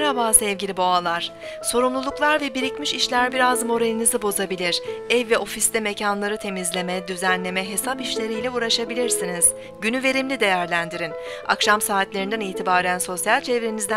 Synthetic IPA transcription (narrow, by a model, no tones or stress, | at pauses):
ɾhabaːsɛvɟilʲibo̞alˠaɾ̥ | so̞ɾumlˠulˠuklˠaɾvɛbiɾicmiʃiʃlʲæɾbiɾazmo̞ɾenʲinizɯbo̞zabilʲiɾ̥ɛvːɛo̞fist̪ɛme̞cʰanlˠaɾɯt̪ʰe̞mizlʲe̞mɛd̪yzænlʲe̞mɛɦe̞sapiʃlʲe̞ɾijlʲɛuːɾaʃabilʲiɾsiniz̥ | ɟynyve̞ɾimlʲid̪e̞jæɾlʲænd̪iɾin | a̰kʃamsaːt̪lʲe̞ɾind̪æniːt̪ʰibaːɾænso̞sjalʲt͡ʃʰevɾenizd̪æ